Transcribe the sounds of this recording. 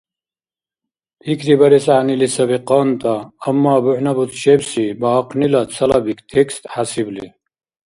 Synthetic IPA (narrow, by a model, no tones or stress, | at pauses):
pʰikɾibɐɾesaːnilisɐbiqɑːnt̪ɐɐmːaːbuħnɐbut̪ɕebsibɐɦɐqnilɐt͡sʰɐlɐbikt̪ʰekst̪hasibli